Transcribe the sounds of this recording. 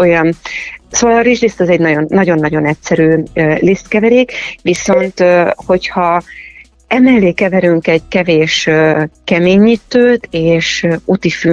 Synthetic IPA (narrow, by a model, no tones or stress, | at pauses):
ojɒnsovɒlɒɾiʒreːst̪ɛzɛɟnɒɟonːɒɟo̞nːɒɟo̞nɛtsɛɾyːleːst̪kɛvɛɾeːkʋiso̞nt̪ho̞chɒ | ɛmɛlːeːkɛvɛɾyŋkɛɟkɛveːʃkɛmeːɲːit̪ːøːt̪eːʃut̪ify